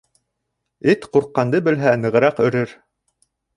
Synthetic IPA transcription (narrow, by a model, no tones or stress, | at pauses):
ɘt̪quɾqːɑnd̪ɤbɘ̆lɦænɤ̆ʁɤ̆ɾɑqɵ̆ɾɘɾ